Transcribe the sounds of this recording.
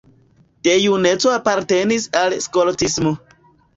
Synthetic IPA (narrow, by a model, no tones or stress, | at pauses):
d̥ejunet͡soapaɾte̞nisalskoltismo